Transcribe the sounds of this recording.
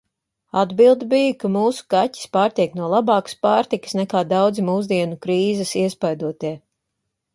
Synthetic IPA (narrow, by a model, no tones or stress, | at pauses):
ad̪bilˠd̪ibijakamuːsu̥kati̥spaːɾt̪iɛknuɔlˠabɑːkɐ̥spaːɾt̪ikɨ̥snɛkaːd̪awd̪zimuːzd̪iɛnukɾiːzɐsiɛspajd̪uɔt̪iɛ